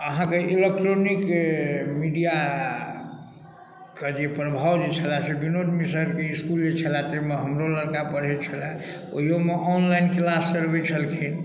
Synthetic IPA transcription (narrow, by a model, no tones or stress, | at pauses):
əɦãkeʔilek̚ʈɾonik | miɖija | kəd͡ʒepɾəbʱawd͡ʒet͡ʃʰəlasebinod͡ʒmisəɾkeiskuld͡ʒet͡ʃʰəlat̪emeɦəmɾoləɾkapəɽ̤ɛt͡ʃʰəla | o̰ijomeʔɔnlainklasːəɾbet͡ʃʰəlkʰin